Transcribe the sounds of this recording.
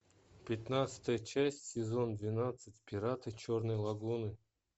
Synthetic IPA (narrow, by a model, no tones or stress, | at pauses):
pʲɪt̪nat̪sɨ̥t̪əjət͡ɕæsʲtʲsʲɪzo̞nd̪vʲɪnat̪sɨtʲpʲɪɾat̪ɨt͡ɕornɨjlˠɐɡunɨ